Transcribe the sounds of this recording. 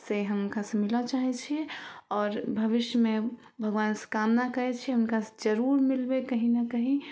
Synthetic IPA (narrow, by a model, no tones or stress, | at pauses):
seɦəmunkasẽmilat͡ʃaɦɛt͡ʃʰiɛɔːɾbʱəʋiʃjəme | bʱəɡʋaːnse̥kamnakəɾɛt͡ʃʰiɛunkased͡ʒəɾuɾmilbekəɦinəkəɦĩ